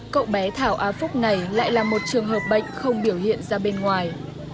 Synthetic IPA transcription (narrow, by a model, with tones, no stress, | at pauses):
kə̰˧˨wɓɛ˨˦t̪ʰaː˧˩wʔaː˨˦fʊ˦˥k͡p̚na˨˩jla̰ː˧˨jlaː˨˩mo˨˩t̚t͡ɕɨ˨˩əŋɦəː˨˩p̚ɓə̰˧˨jŋ̟xə˧wŋ͡mɓi˧˩əwhḭ˧˨ənzaː˧ɓe˧nŋwaː˨˩j